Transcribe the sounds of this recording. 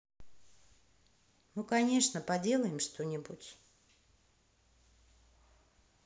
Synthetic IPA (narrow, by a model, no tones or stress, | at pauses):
mukɐnʲe̞ʂnəpɐdʲe̞lˠəjɪmʂt̪o̞nʲɪbutʲ